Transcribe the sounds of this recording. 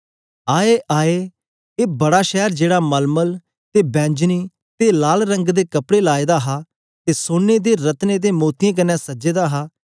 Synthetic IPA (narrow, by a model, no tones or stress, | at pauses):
aːeːʔaːeː | eːbəɽaːʃɛːɾd͡ʒeːɽaːməlməl | t̪eːbɛ̃ːɲd͡ʒniː | t̪eːlaːlɾə̃ŋɡd̪eːkəpɽeːlaːeːd̪aːɦaː | t̪eːsoːnːeːd̪eːɾət̪neːd̪eːmoːt̪ijãːk̬ənːɛ̃ːsəd͡ʒeːd̪aːɦaː